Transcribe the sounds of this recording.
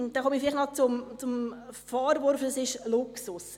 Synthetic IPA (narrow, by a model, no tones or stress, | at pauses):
d̪̥ɛχɔmifɪlɪχnɑt͡sʊmt͡sʊmfɑːɾʋoɾfd̥ɑsɪʃlʊksʊs